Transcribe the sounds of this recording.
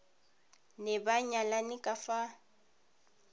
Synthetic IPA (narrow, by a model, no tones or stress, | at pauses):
nɛbaɲalanɪkʼafa